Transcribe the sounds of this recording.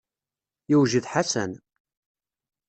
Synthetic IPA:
jiwʒiðħasæ̰n

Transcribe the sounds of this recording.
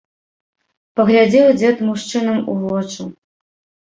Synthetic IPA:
pɐɣlʲad͡zʲɛwd͡zʲɛt̪muʂt͡ʂɨnɐmuvɔt͡ʂɨ

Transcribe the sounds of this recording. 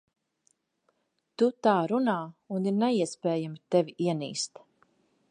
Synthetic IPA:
t̪ut̪aːɾunaːuniɾnɛiɛspɛːjamit̪ɛvʲiʔiɛnḭːst̪

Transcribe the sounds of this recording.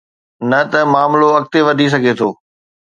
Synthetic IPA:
nɐt̪ɐmaːmloɐk̚t̪eʋɐɖʱis̬ɐɡʱet̪ʰoː

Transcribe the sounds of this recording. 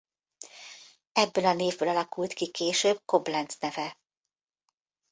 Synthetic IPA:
ɛbːøːlɒneːvbøːlɒlɒkult̪kikeːʃøːb̚ko̞blɛnt̪snɛvɛ

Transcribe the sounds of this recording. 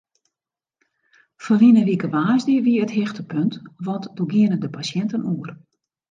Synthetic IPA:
fɔrʋinəʋikəʋaːzdəəʋiəətɦɪxtəpøntʋɔtd̥oɡiənədəpasjɛntənuər

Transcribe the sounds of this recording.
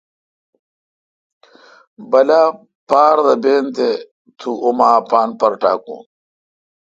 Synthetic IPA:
bɐla | paːɾd̪ɐbeːnt̪e | t̪ʰuʔomaːpaːnpɐɾʈa̰ːkṵ̃ː

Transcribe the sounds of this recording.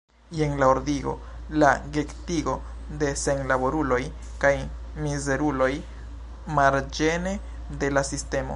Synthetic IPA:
jenlaoɾdiɡo̞̰laɡektiɡo̞ | de̞se̞nlabo̞ɾulo̞j | kaj | mize̞ɾulo̞j | maɾd͡ʒe̞ne̞ | de̞lasiste̞mo̞̰

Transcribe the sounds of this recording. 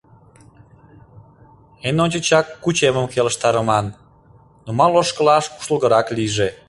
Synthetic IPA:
enonʲt͡ɕət͡ɕɑkːut͡ɕeməmkeləʃt̪ɑɾəmɑnː | omɑloʃkəlɑʃku̥ʃəlˠɣəɾɑkliʒe

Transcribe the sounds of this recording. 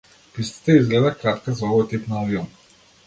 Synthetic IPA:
pist̪i̥t̪ɛizɡlɛd̪akɾat̪kazɔvɔjt̪ipnaɔvjɔm

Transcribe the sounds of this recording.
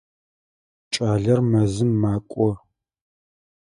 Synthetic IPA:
t͡ʃʼaːɮɐrmɐzɨmːaːkʷʼɔ

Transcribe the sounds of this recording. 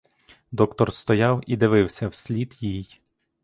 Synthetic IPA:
d̪ɔkt̪ɔrst̪ɔjɑwid̪ɪʋɪwsʲɐwsʲlʲid̪jij

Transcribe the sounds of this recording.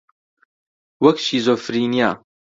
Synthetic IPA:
wɐkʃiːzofɾiːnija̰

